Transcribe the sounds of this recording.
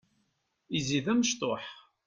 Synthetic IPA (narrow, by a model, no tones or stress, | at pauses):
iziðæməʃt̪ˤoħ